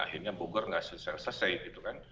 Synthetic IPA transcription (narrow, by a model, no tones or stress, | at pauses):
a̰hirɲaboɡɔrŋasəsalasasajt̪̚it̪ukan